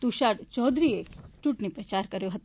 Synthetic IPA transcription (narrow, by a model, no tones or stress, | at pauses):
t̪uʃaɾt͡ʃɔd̪ɾiet͡ʃuʈnipɾɐt͡ɕaɾkəɾjoɦət̪